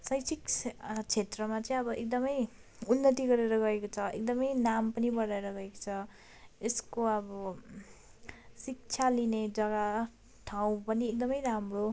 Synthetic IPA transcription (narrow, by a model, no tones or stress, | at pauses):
sʌjt͡sʰikt͡sʰet̪rʌmat͡sʌĩʌbʌʔek̚d̪ʌmʌj | unːʌt̪̬iɡʌɾeɾʌɡʌekot͡sʰʌḛk̚d̪ʌmʌjnampʌnibʌɾaeɾʌɡʌeko̥t͡sʰʌ | eskoʌbʌ | sik̚t͡sʰalined͡zʌɡa | ʈʰaw̃pʌniek̚d̪ʌmʌjɾamro